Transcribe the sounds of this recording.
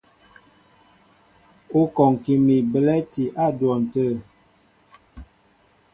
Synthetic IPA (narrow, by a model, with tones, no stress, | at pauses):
o˦kɔ˨ŋ˨ki˨mi˨bə˨lɛ˦ti˨ʔa˦˨dwɔ˨n̩˨tə˦˨